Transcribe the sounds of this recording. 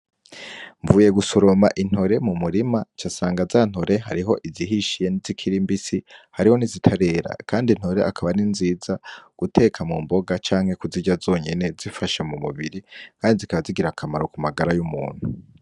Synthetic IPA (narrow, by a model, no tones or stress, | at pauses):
ɱvuːje̞ɡusoɾo̞maʔin̥ho̞ɾe̞mumuɾimat͡ʃasaːŋɡazaːn̥ho̞ɾʔe̞ɦa̰ɾiɦo̞ʔiziɦiʃije̞nizikʰiɾimbisihaɾiho̞nizitʰaɾe̞ːɾa̰kʰaːndin̥ho̞ɾe̞̰ʔakʰaβaninziːzaɡ̥utʰe̞ːkʰamumbo̞ɡat͡ʃaːŋhe̞kuziɟazo̞ːɲe̞ne̞zifaʃamumuβiɾikʰaːndizikaβaziɡiɾakʰamaɾokumaɡaɾajumṵːn̥hu